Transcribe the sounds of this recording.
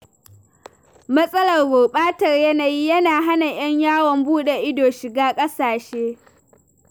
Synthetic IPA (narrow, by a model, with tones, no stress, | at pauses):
mɐ˦sʼɐ˦lɐ˨rɡoː˨ɓʼaː˦tɐ˨rjɐ˦na˨jiː˦jɐ˦naː˨ɦa˦na˨j̰ɐ˦ɲjaː˦wɔ˨mbuː˦ɗe˨ʔɪ˦doː˨ʃɪ˨ɡaː˦kʼɐ˦saː˨ʃeː˦